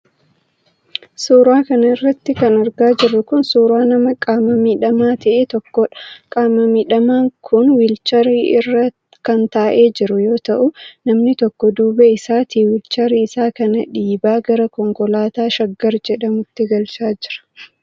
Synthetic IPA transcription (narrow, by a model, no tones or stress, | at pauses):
suːɾaːkɐnɐɪrːɐt̪ːɪkɐnɐɾɡaːd͡ʒɪrːʊkʊnsuːɾaːnɐmɐkʼaːmɐmiᶑɐmaːt̪ʰɐʔeːt̪ɔkːɔᶑɐ̥kʼaːmɐmiːᶑɐmaːŋkʰʊnwɪlt͡ʃɐɾiɪrːɐ | kɐnt̪aːʔe̞ːd͡ʒɪɾʊjo̞ːt̪ɐʔʊnɐmnɪt̪ɔkːɔd̪uːbɛɪsaːt̪iːwɪlt͡ʃɐɾiɪsaːkɐnɐᶑiːbaːɡɐɾɐkɔŋkɔlaːt̪aːʃɐɡːɐɾd͡ʒɛᶑɐmʊt̪ːɪɡɐlt͡ʃaːd͡ʒɪɾɐ̥